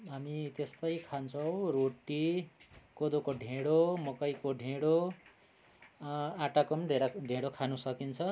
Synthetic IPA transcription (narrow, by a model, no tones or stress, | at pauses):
ɦamit̪est̪ʌjkʰant͡sʰʌw̃roʈːi | kod̪okoɖʱẽɽomʌkʌjkoɖʱeɽo | aʈakʌmɖʱeɾaɖʱẽɽokʰanusʌkint͡sʰʌ